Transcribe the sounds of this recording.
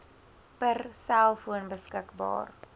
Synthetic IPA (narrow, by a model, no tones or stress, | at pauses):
pərsælˠfuənbəskəkbɑ̰ːr